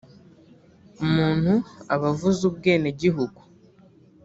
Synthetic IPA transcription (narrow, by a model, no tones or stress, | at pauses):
umuːn̥huaβavuzub̚ɡeːneɟiɦuɡu